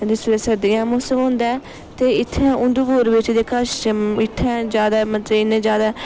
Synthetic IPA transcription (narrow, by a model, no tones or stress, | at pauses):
d̪ɪsɾesəɾd̪ɪjãːmoːsəmɦõːnd̪aː | t̪eːɪt̪ʰːãːʊ̃nd̪uːboːɾʋɪt͡ʃd̪eːkʰəʃɪt̪ʰːãːzjaːd̪aːmət̪ləɪnːẽːd͡ʒjaːd̪aː